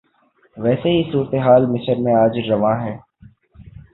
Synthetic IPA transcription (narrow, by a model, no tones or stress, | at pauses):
ʋɛːseɦisuːɾət̪eɦaːlmɪsəɾmẽaːd͡ʒɾɐʋãːɦɛː